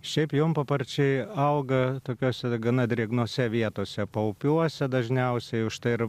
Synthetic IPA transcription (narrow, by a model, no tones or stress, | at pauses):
ʃʲɛɪpjoːmpɐpɐrʲt͡ʃʲɛɪɐʊɡɐt̪oːkʲoːsʲɛɡɐnɐd̪ʲɾʲiɛɡnoːsʲɛʋʲiɛt̪oːsʲɛpɐʊpʲuɔsʲɛd̪ɐʒʲnʲɛʊsʲɛɪʊʃt̪ɐɪɪr